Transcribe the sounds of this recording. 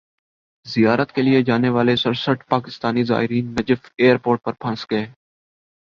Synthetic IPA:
zɪjaːɾət̪kelɪed͡ʒaːneʋaːlesəɾsəʈʰpaːkɪst̪aːniza̰ːɦɪɾiːnːəd͡ʒəfeːəɾpoːɾʈ̚pəɾpʰə̃nsɡeː

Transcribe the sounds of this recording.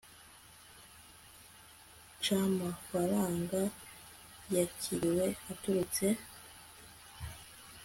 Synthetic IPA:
t͡ʃamafaɾaːŋɡa | jacʰiɾiwe̞atuɾut͡se̞

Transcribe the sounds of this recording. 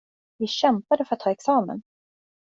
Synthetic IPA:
vɪɕɛmpad̪əfœɾat̪ːʰɑːɛksɑːmə̰n

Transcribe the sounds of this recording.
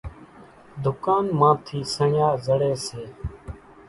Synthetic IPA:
d̪ʱʊkaːnmãːt̪ʰiːsəɳjaːzəɽeːseː

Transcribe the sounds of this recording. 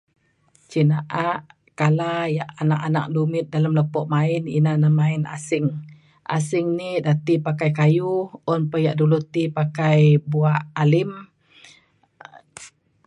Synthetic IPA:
t͡ʃinaʔaʔ | kalajaʔanakana̰k̚dumɪt̪̚dalamləpɔʔmaɪnḭnanamaɪna̰sɪŋ | ʔa̰sɪŋnidat̪ipakajkajuɔnpəjaʔdulut̪ipakajbuaʔalɪm

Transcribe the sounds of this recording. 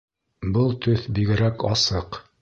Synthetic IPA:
bɤlˠt̪ɵθbiɡɘ̆ɾækɑsɤq

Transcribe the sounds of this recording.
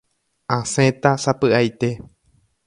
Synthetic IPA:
ãsẽt̪asapɨajt̪e̞

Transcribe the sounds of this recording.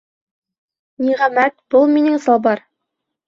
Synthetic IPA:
niʁæmæt̪̚b̥olˠminɘŋsɑbɑɾ

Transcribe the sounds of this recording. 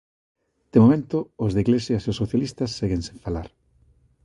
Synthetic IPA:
d̪̥emomẽnt̪ʊːzðeiɣlesjaseʊsːoθjalist̪ɐsːeɣeŋsẽɱfalaɾ

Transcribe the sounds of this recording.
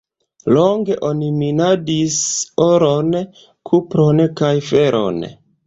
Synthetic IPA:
lo̞ŋɡe̞ʔo̞niminadisoɾo̞n | kʰupɾo̞nkajfe̞ɾʔo̞̰n

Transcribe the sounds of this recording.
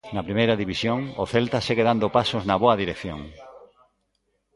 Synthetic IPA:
nɐpɾimejɾɐðiβisjoŋʊθelt̪aseɣeðand̪opasoznɐβoɐðiɾekθjo̰ŋ

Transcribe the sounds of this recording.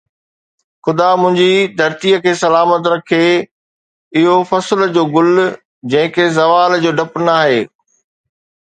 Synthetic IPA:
xʊd̪amʊ̃ɦɪ̃ɲd͡ʑid̪ʱɐɾt̪ijəkʰeːsɐlaːmət̪ɾɐkʰe | ɪɦofɐsld͡ʑoːɡʊl | d͡ʑɐ̃ɦɪ̃kʰezɐʋaːld͡ʑoːɖɐpnaːɦeː

